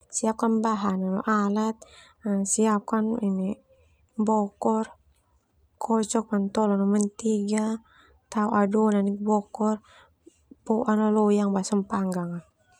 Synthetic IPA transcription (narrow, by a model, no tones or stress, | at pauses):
siap̚kanbaɦananɔʔalat̪̚ | asiap̚kanini | bɔkɔr | kɔt͡ʃɔk̚mant̪ɔlɔnɔmɛnt̪iɡa | t̪auʔadɔnanikbɔkɔr | bɔʔanalɔjaŋbasampaŋɡaŋa